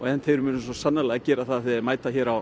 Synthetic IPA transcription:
ɔɛnt̪hejɾʏmʏːnsɔsanːalɛɣacɛːɾaθaðθɛmaːjt̪açɛːɾaw

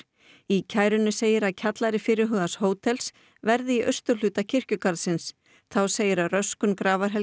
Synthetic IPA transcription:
icʰaːjɾʏnʏseːjɪɾaðcʰat̪laɾɪfɪːɾɪɦœɣðashoːwt̪ʰɛls | vɛɾðɪiʔœst̪ʏ̥lʏːt̪acʰɪr̥cʏkaɾðsɪns | θawseːjɪɾaðrœskʏnkɾaːvaɾ̥ɦɛl

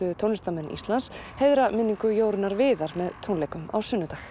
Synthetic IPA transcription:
ʏt̪ʰownɪst̪amɛnːḭst̪lansheðɾamɪnːiŋkʏjoːwɾɪnaɾvɪːðaɾmɛðt̪ʰownlejkʏma̰wsʏnːʏt̪ax

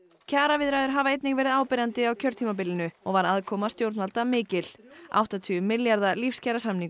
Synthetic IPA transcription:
cʰaːɾavɪðɾajðʏɾ̥ɦavaejt̪nɪŋkvɛːɾɪðaːwpɪɾant̪ɪawcʰœɾ̥t̪ʰimap̬ɪlːɪnʏɔɣvaɾaðkʰɔːmast̪jowɾt̪nvalt̪amɪːcɪl̥a̰wht̪at̪ʰyʏmɪljaɾðalifscajɾasamniŋ

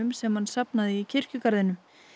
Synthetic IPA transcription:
ʏmsɛmhansapnaðɪicʰɪr̥cʏkaɾðɪnʏm

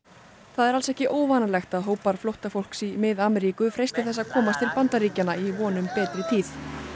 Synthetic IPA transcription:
θaðɛɾalsɛhcɪʔoːwvaːnalɛxt̪aðɦoːwpaɾ̥flowht̪afowl̥ksimɪðaːmɛɾiːkʏfɾejst̪ɪθɛs̬ːaðkʰɔːmast̪ʰɪlpant̪aɾiːcanaivɔːnʏmpɛːt̪ɾɪt̪ʰiːθ

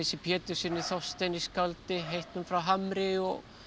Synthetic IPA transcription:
ɛsɪpʰjɛːt̪ʏ̥sɪnːɪθɔwst̪ɛniskalt̪ɪɦejht̪nʏmfɾawɦamɾɪɔɣ

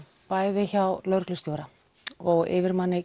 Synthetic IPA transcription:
paːjðɪçawlœɾklʏst̪jowɾa | ɔɣɪ̰vɪɾmanːɪ

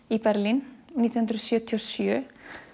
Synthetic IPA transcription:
ipɛɾlinnːiːt̪ihʉnt̪ɾɔsjœt̪ʰiɔsjø

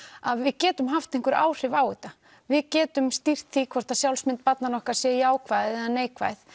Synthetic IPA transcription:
aðvɪðcɛːt̪ʏmɦaft̪eŋ̥kʏɾʔa̰ːwr̥ɪvaːwɪt̪a | vɪðcɛːt̪ʏmst̪ir̥t̪θikʰvɔr̥t̪asjawlsmɪnt̪̚pat̪nanɔhkḁsjɛjaːwkʰvaːjðɪɛðaneːjkvaːjθ

